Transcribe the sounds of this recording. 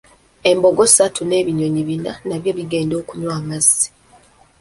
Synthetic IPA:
e̞mbo̞ɡo̞satʰune̞ːβiɲo̞ɲiβinanaβjo̞βiɡe̞ːndo̞ːkuɲwaːmazːi̥

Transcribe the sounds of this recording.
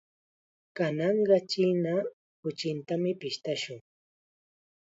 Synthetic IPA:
kanɑɴɢɑt͡ʃina | kʊt͡ʃɪnt̪amɪpɪʃt̪aʃʊŋ

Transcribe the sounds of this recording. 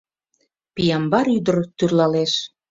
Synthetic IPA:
pijɑmbɑɾyd̪ərt̪yrlɑleʃ

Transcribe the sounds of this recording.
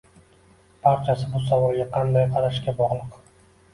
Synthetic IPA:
pʰɑɾt͡ʃʰasɪbʊsavɒlˠɡʲaqʰɑnd̪ajqʰɑɾaʃkʲabɒʁlˠɨq

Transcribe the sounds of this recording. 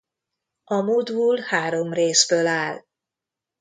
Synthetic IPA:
ɒmoːd̪buːlhaːɾo̞mreːzbøːlaːl

